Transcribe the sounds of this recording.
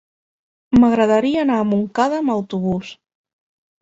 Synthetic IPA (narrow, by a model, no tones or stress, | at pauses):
məɣɾəðəɾiəːnaːmuŋkaðəːməwt̪uβ̞us